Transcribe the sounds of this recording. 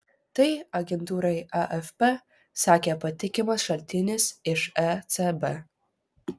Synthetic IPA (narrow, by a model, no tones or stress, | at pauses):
t̪ɐɪɐɡʲɛnt̪uːɾɐɪɛʔɛfʲpʲɛ | sɑːkʲeːpɐt̪ʲɪkʲɪmɐsʃɐlʲt̪ʲɪnʲɪsɪʃɛt̪sɛbɛ